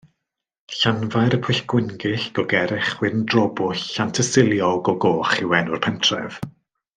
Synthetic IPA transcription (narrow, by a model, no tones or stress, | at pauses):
ɬanvajɾəpʰʊjɬɡ̥wɪnɡɪɬɡ̥ɔɡɛɾɪχwɪɾəndrɔbʊantʰəsɪlˠjɔɡɔɡoːχɪwɛnʊrpʰɛntʰrɛ̰v̥